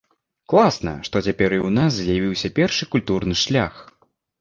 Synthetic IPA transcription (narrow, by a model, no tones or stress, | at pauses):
klˠasnɐ̰ʂt̪ɔt͡sʲapʲɛɾiwnas̬zʲjavʲiwsʲɐpʲɛrʂɨkulʲt̪urnɨʂlʲax